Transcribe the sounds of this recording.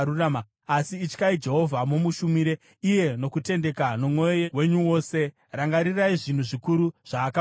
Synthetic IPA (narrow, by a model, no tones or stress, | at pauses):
urama | asiːt͡ʃkaid͡ʒe̞ɦo̞vʱamomuʃumiɾe̞ | ije̞no̞kute̞nde̞kano̞mwo̞jowe̞ɲuwo̞ːse̞ | raŋɡaɾiraiʐin̤uʐikuɾuʐ̥aːka